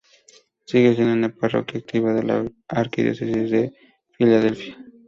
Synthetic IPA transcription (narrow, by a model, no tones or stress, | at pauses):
siɣes̬inaneparo̰kjak̚t̪ʰiβaðela̰aɾkid̪jo̰sesisd̪e | filaðelfia